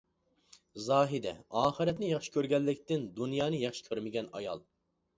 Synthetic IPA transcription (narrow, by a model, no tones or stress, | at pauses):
zɑːɦɪd̪ɛ̰ɑːχɨɾɛt̪nɪjɑχʃi̥kʲøɾɡʲɛlːɪkʲt̪ɪnd̪unjɑːnɨjɑχʃi̥kʲʰøɾmɪɡʲɛnɑ̰jɑ̰lˠ